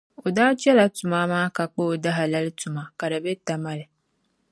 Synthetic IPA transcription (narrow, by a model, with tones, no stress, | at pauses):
o˨daː˦t͡ʃɛ˦la˨tʊ˨ma˦maː˦ka˨k͡po˦o˨da˦ɦa˨la˦lɪ˦tʊ˨ma˨ka˨da˨be˦ta˦ma˦lɪ˨